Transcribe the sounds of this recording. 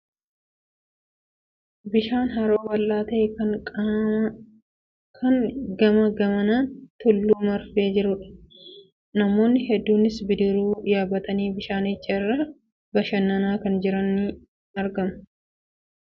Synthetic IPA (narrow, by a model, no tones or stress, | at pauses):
bɪʃaːnɦɐɾoːbɐlʔaːt̪eːkɐ | kʰɐŋɡɐmɐɡɐmɐnaːnt̪ʊlːuːmɐɾfeːd͡ʒɪɾʊᶑɐ̥ | nɐmo̞ːnːɪɦɛd̪ːuːnɪsbɪd̪ɪɾuːjaːbɐt̪ɐniːbɪʃaːnɪt͡ʃːɐɪrːɐ | bɐʃɐnːɐnaːkɐnd͡ʒɪɾɐnːiː | ɐɾɡɐmɐ̥